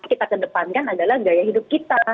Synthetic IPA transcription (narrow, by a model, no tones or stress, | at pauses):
kit̪akədəpankanadalahɡajaɦidʊp̚kit̪a